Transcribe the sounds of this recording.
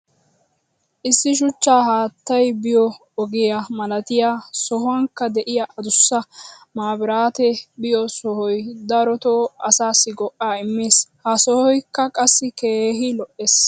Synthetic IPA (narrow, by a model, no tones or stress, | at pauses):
ʔɪsːɪʃ̬ʊt͡ʃːaːɦaːt̪ːɐjbɪjɔ | ɔɡɪjɐmɐlɐt̪ɪjasɔɦʊɐŋkːɐd̪ɛʔɪjaʔɐd̪ʊsːɐmaːbɪɾaːt̪ɛbɪjɔsɔhɔjd̪ɐɾɔt̪oɐsaːsːɪɡɔʔaːɪmːeːshɐsɔhɔjkːɐkʼɐsːɪke̞ːɦɪlɔʔeːs